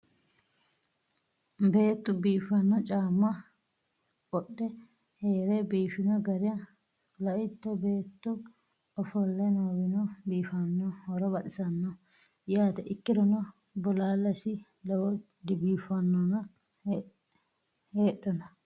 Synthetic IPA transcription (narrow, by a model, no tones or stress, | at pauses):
be̞ːt̪ːʊbiːfɐnːɔt͡ʃʼaːmːɐ | kʼɔɗːɛ | heːɾebiːfɪnɔɡɐɾɪɐ | lɐʔɪt̪ːɔbeːt̪ːʊ | ɔfɔlːɛnɐwɪnɔbiːfɐnːɔhɔɾɔbɐtɪsɐnːɔ | jaːt̪ɛʔɪkːɪɾɔnɔ | bʊlaːlːɐsɪ | lɛwɔ | d̪ɪbiːfɐnːɔnɐ | heːɗːɔnɐ